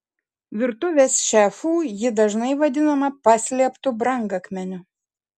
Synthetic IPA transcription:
ʋʲɪɾt̪ʊʋʲeːsʃʲæfuːjɪd̪ɐʒnɐɪʋɐd̪ʲɪnɐmɐpɑsʲlʲiɛpt̪ʊbɾɐŋɡɐkmʲɛnʲʊ

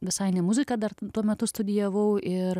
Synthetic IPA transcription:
ʋʲɪsɐɪnʲɛmʊzʲɪkɑd̪ɐrt̪uɔmʲɛt̪ʊst̪ʊd̪ʲɪjɛʋɐʊʔɪɾ

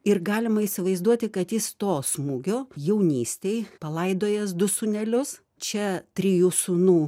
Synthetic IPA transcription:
ɪrɡɑːlʲɪmɐisʲɪʋɐɪzd̪uɔt̪ʲɪkɐt̪jɪst̪oːsmuːɡʲoːjɛʊnʲiːsʲt̪ʲeɪpɐlˠɐɪd̪oːjɛs̬d̪ʊsʊnʲɛlʲʊs | t͡ʃʲɛt̪ʲɾʲijuːsʊnuː

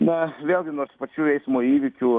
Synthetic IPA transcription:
nɐʋʲeːlˠʲɡʲɪnoːɾspɐt͡ʃʲuːɛɪsʲmoːiːʋʲɪkʲuː

